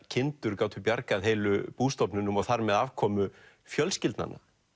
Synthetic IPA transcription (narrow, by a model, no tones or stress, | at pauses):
cʰɪnt̪ʏɾkaːwt̪ʰʏpjaɾkaðɦeːjlʏpuːst̪ɔpnʏnːʏmɔθaɾmɛðavkʰɔːmʏ | fjœlscɪlt̪na̰nːa̰